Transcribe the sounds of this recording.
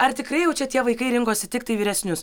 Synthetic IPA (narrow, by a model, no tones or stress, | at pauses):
ɐɾt̪ʲɪkɾɐɪjɛʊt͡ʃʲɛt̪ʲiɛʋɐɪkɐɪɾʲɪŋkoːsʲɪt̪ʲɪk̚t̪ɐɪʋʲiːɾʲɛsʲnʲʊs